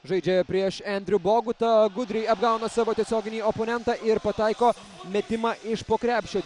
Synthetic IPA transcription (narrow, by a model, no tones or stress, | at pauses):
ʒɐɪd͡ʒʲɛpʲɾʲiɛʃænʲd̪ɾʲʊboːɡʊt̪ɐɡʊd̪ʲɾʲɪjɐbɡɑˑʊnoːsɑːʋoːt̪ʲiɛsʲoːɡʲɪnʲiːoːpoːnʲɛnt̪ɑːʔɪɾpɐt̪ɑɪkoː | mʲɛt̪ʲɪmɑːʔɪʃpoːkɾʲæːpʲʃʲt͡ʃʲoː